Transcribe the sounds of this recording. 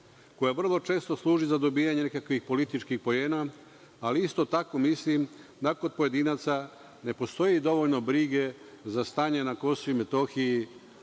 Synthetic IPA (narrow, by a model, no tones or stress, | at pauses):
kojaʋr̩lˠo̞t͡ʃe̞ːst̪oslˠuːʒizad̪o̞biːjaɲe̞nekakʋixpo̞lit̪it͡ʃkixpo̞jeːna | aliist̪o̞t̪ako̞mislimd̪akod̪̚po̞je̞d̪inat̪sa | ne̞po̞st̪o̞jid̪o̞ʋo̞ʎno̞bɾiɡe̞ | zast̪aːɲe̞nako̞soime̞t̪o̞xiji